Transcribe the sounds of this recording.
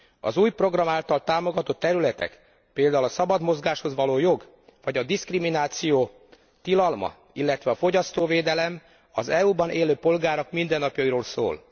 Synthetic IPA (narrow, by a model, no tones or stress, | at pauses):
ɒ̰zuːjpro̞ɡrɒmaːlt̪ɒlt̪aːmo̞ɡɒt̪o̞t̪ːɛɾylɛt̪ɛ̰k | peːld̪aːulɒsɒbɒd̪mo̞zɡaːʃho̞zʋɒloːjo̞ɡ | vɒɟɒd̪iskriminaːt̪sijoː | t̪ilɒlmɒ̰ | ilːɛt̪ʋɛɒfo̞ɟɒst̪oːveːd̪ɛlɛm | ɒzɛuːbɒnʔeːløːpo̞lɡaːɾo̞kmind̪ɛnːɒpjɒiɾoːlso̰ːl